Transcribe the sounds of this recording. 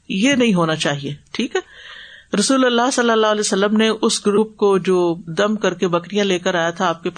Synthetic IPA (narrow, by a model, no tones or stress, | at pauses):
jenɐɦĩɦoːnat͡ʃaːɦieːʈʰiːkɦɛːɾɐsuːlɐlːaɦsɐlːəlːaːɦlɛːsəlːəmneʔʊsɡɾuːp̚kod͡ʒoːd̪ɐmkɐɾkebɐkɾijãleːkəɾaːjat̪ʰaːp̚kepː